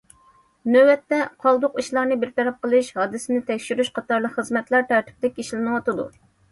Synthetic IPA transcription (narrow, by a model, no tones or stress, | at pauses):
nøwɛt̪ːɛqʰɑlˠd̪ʊqiʃlˠɑɾnɨbɪɾt̪ʰɛɾɛp̚qəlˠɨʃhɑːd̪ɨsɪnɪt̪ʰɛkʲʃyɾyʃqʰɑt̪ɑɾlˠəqχəzmɛt̪lˠɑɾt̪ʰæɾt̪ʰɪ̥p̚d̪ɛkʲiʃlɪnɨwɑt̪ɨd̪ṵ